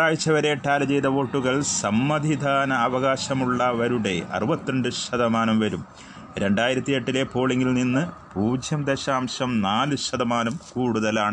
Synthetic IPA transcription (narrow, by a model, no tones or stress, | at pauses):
aːjit͡ɕːɐʋɐɾeʈaːlɐd͡ʑejd̪ɐʋo̞ːʈːuɣɐɭsɐmːɐd̪ʱid̪ʱaːnɐːʋɐɣaːɕɐmuɭːɐʋɐɾuɽe̞ɐ̰rɨbɐt̪ːɐɳɖɨɕɐðɐmaːnɐmʋɐɾum | ɾe̞ɳɖaːjiɾɐt̪ːije̞ʈːile̞po̞ːɭeŋɡilninːɨpuːd͡ʑjɐmd̪eɕaːmɕɐmnaːlɨɕɐd̪ɐmaːnɐmkuːɽuðɐlaːɳɨ